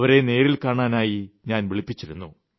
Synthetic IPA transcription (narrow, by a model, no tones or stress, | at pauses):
ʋɐɾe̞ne̞ːɾilkaːɳaːnaːjiɲaːnʋiɭipːit͡ɕːiɾunːu